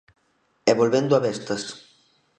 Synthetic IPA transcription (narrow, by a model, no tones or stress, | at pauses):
ɛβolβend̪ʊaβɛst̪ɐs